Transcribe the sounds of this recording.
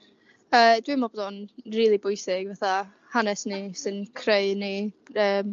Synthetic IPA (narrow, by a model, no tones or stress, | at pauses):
əːd̥wimɔbodɔnriːlˠibʊɨsɪɡ̥vaθa | hanɛsnisɨnkʰreɨniəːm